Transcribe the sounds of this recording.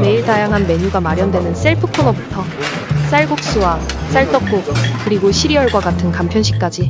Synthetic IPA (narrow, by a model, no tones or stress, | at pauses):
me̞iɭtajaŋɦanme̞ɲuɡamaɾjʌndwe̞nɯns͈e̞ɭpʰɯpʰonʌbutʰʌs͈aɭɡok̚s͈uwas͈aɭt͈ʌk̚k͈ok̚kɯɾiɡoɕʰiɾiʌɭɡwaɡatʰɯnkampʰjʌnɕʰi̥k̚k͈ad͡ʑi